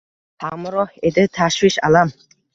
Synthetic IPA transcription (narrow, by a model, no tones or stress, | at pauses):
ħʰamɾɔħed̪ɨt̪ʰaʃwiʃa̰lam